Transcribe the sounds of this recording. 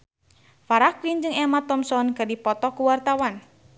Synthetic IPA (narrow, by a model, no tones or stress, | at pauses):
faɾaklind͡ʒɨŋɛmat̪ɔmsɔnkɨrdipɔt̪ɔkuwart̪awan